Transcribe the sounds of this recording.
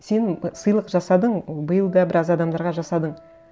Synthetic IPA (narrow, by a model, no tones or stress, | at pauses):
se̞nsəjlˠəqʒɑsɑd̪əɴbəjəlˠd̪ɑbɪɾɑzɑd̪ɑmd̪ɑɾʁɑʒɑsɑd̪əɴ